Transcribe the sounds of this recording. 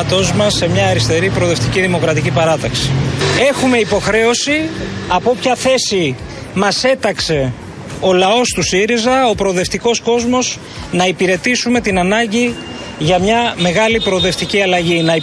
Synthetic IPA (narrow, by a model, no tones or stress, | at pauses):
t̪o̞zmɐsːe̞mɲɐːɾist̪e̞ɾipɾoðe̞ft̪iciðimo̞kɾɐt̪icipɐɾɐt̪ɐksi̥e̞xume̞ipo̞xɾe̞o̞siɐpopçɐθe̞si | mɐse̞t̪ɐkse̞ | o̞lɐo̞st̪usiɾizɐo̞pɾo̞ðe̞ft̪iko̞sko̞zmo̞s | nɐipiɾe̞t̪isume̞t̪inɐnɐɲɟi | ʝɐmɲɐme̞ɣɐlipɾo̞ðe̞ft̪iciɐlɐʝinɐ